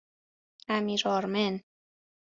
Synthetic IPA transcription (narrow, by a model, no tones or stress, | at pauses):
æmiɾɒɾmen